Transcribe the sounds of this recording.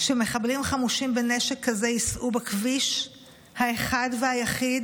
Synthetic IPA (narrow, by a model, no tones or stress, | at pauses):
ʃeme̞χablimχamuʃimbe̞neʃekːazejisʔubakviʃ | haeχadvehajaχid